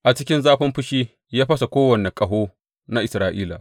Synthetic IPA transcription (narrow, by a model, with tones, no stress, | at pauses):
ʔa˨t͡ʃɪ˦kʲɪ˦nzaː˦ɸɐ˦mɸʊ˦ʃiː˦ | jaː˦ɸɐ˦sa˨kʷoː˦wɐ˨ne˨kʼɐ˨ɦoː˦ | na˦ʔɪ˨sɾaː˨ʔḭː˦la̰˨